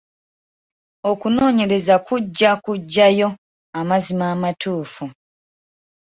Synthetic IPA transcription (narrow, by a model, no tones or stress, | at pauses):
o̞kuno̞ːɲe̞ɾe̞zakuɟːakuɟːajo̞ | amazimaːmatʰuːfu